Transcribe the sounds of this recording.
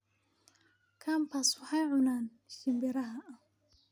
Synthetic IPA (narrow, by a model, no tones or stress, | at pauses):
kʰampaswɑħɑjʕʊnaːn | ʃɪmbɪɾɐɦɐʔɐ